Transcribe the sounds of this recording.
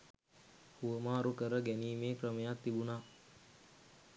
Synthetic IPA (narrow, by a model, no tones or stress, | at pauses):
huʋəmaːɾukəɾəɡæniːmeːkrəməjat̪ːibunaː